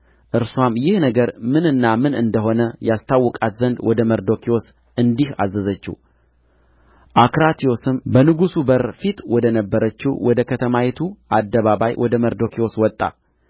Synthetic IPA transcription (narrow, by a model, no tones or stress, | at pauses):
ʔɨɾsuwamjɪhnəɡəɾmɨnɨnːamɨnɨnd̪əɦo̞nəjast̪ʰawːɔkʼat̪zənd̪wɔd̪əməɾd̪okʰio̞s | ɨnd̪iha̰zːəzət͡ʃːṵ | ʔakɾat̪ʰio̞sɨmbənɨɡusubəɾfit̪wɔd̪ənəbːəɾət͡ʃːuwʔɔd̪əkʰət̪ʰəmajɛt̪ʰuʔad̪ːəβaβajwʔɔd̪əməɾd̪o̞kʰio̞swɔt̪ʼːa̰